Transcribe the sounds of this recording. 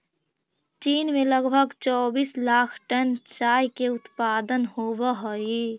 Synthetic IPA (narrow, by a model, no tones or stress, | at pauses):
t͡ʃiːnmẽləɡbʱəɡt͡ʃɔːbiːslaːkʰʈənt͡ʃaːjkeʊt̪paːd̪ənhobəɦoi